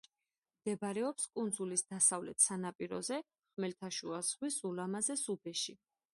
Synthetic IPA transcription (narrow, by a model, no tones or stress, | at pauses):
md̪̥ɛbaɾɛɔpskʼund̪zulisd̪asavlɛt̪ʰsanapʼiɾɔ̰zɛ | χmɛlt̪ʰaʃuaz̥ʁwisulamazɛsubɛʃi